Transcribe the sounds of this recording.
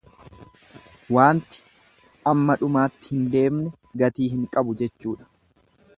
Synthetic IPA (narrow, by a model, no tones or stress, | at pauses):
waːnt̪ɪ̥ | ʔɐmːɐᶑʊmaːt̪ːɪ̥hɪnd̪e̞ːmnɛ | ɡɐt̪iːɦɪŋkʼɐbʊd͡ʒɛt͡ʃːuːᶑɐ̥